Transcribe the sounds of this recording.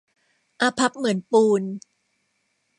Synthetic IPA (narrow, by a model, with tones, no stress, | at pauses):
ʔa˧pʰa˦˥p̚mɯ˩˦ənpuː˧n